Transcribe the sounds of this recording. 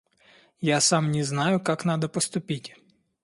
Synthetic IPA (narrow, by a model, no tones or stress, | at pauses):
jasɑmnʲiznɑjʊkɑknɑd̪ɐpɔst̪ʊpʲitʲ